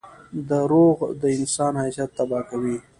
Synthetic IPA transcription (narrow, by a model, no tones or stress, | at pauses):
d̪əɾoɣd̪əɪnsɑːnhasat̪ːabɑːkawi